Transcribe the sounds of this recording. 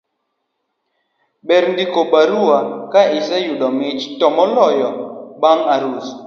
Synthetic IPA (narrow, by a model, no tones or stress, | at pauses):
ɓɛɾndikoɓaɾuwakaɪsɛjuɗɔmɪt͡ʃtɔmɔlɔjɔɓaŋaɾus